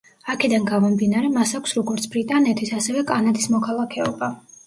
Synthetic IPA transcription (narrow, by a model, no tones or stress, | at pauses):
akʰɛd̪anɡavɔmd̪inaɾɛmasakʷʰsɾɔɡɔɾt̪sʰbɾit̪ʼanɛt̪ʰisasɛvɛkʼanad̪ismɔkʰalˠakʰɛɔba